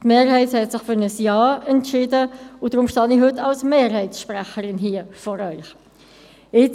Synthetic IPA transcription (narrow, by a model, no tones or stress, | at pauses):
tmeːɾhɛɪthɛtsɪχfʏɾnəsjɑːɛntʃɪːdəʊd̥ɾʊmʃtɑnihɵtːɑlsmeːrɦɛɪtsʃpɾɛχəɾɪnɦiːəfɔːɾœʏχ | ɪ